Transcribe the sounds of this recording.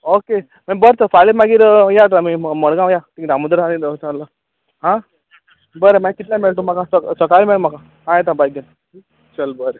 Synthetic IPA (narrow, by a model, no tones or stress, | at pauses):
oke | mabəɾt̪əfalimaɡiːɾjaɾ̬amiməɽɡãwjat̪ĩd̪aməd̪ɾanid̪ətaɳlə | ɦã | bəɾemakit̪lameɭt̪umakãsəsəkalmeɭm̤akã | ɦãjet̪̬ãbajɡən | t͡ɕəlbəɾe